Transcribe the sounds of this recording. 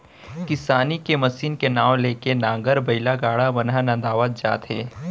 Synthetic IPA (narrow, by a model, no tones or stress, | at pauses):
kɪsaːnikemɐsiːnkenaːʋleːkenãːŋɡəɾbɐɪlaɡaːɽabɐnanãd̪aːʋat̪̚d͡ʒa̰ːt̪ɦeː